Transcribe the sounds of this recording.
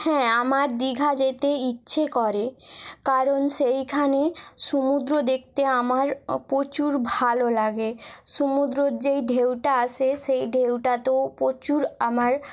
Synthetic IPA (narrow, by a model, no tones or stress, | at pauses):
hɛ̃amaɾd̪iɡʱad͡ʑet̪eitːɕʰekɔɾekaɾonʃejkʰaneʃumud̪ɾod̪ek̚ʰt̪eamaɾpɾot͡ɕuɾbʱalolaɡeʃumud̪ɾoɾd͡ʑejɖʱewʈaaʃʰeʃejɖʱewʈat̪opɾot͡ɕuɾamaɾ